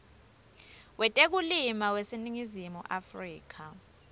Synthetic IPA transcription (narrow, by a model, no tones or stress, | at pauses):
wɛtʼek̬ulimawesiniŋizimuʔafriːk̬ʰa